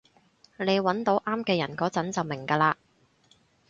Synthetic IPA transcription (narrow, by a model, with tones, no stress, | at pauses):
ne˨˧jwɐ˨˥nt̪o˨˥wʔaː˥mkɛː˧jɐ˨˩nkɔː˨˥t͡sɐ˨˥nt͡sɐ˨wmɪ˨˩ŋkaː˧laː˧